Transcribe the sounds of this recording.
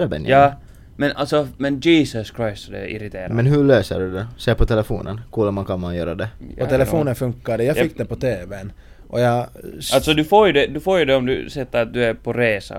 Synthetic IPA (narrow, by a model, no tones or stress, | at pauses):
ɾbɛ̰njɑː | mɛnalt̪sɔmɛnd͡ʒiːsəskʰɾajsd̪ɛ̰ɪ̰ɾɪt̪ʰeːɾmɛnɦʉɭøːsə̰ɖʉd̪ɛseːpʰɔt̪ʰɛlɛfo̰ːnʔə̰nkuləmankʰɑnmanjø̰ːɾad̪ɛpɔt̪ʰɛlɛfoːnənfɵŋkːaɖ̪ɛjɑːfɪkːdd̪ɛpɔt̪ʰeːvɛn | ʔɔjɑalt̪sɔd̪ʉfoːɾjʉd̪ɛd̪ʉfoːɾjʉd̪ɛɔmd̪ʉ̰sɛt̪ːəɾat̪̚d̪ʉæɾpʰɔɾeːsa̰